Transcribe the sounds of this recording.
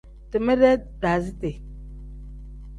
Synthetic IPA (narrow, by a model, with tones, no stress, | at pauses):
tə˨mə˦ɾe˦ | da˨zi˦te˨